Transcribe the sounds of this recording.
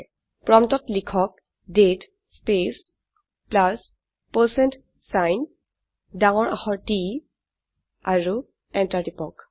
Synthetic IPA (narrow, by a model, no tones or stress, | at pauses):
pɹɔmtɔtlikʰɔk̚ | det | spes | plas | pəsɛnt | sajn | daŋɔɹaxɔɹti | aɹu | ɛntatipɔk